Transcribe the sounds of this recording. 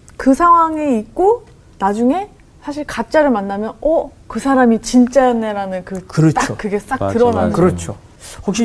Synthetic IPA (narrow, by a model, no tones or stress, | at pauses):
kɯsʰaŋwaŋe̞ik̚k͈o | nad͡ʑuŋe̞ | sʰaɕ̬ʰiɭkat͡ɕ͈aɾɯɭmanːamjʌnʌkɯsʰaɾamit͡ɕint͡ɕ͈ajʌnːe̞ɾanɯnkɯkɯɾʌt͈akɯɡe̞s͈aktɯɾʌnaɯɾʌt͡ɕʰo | hok̚ɕ͈i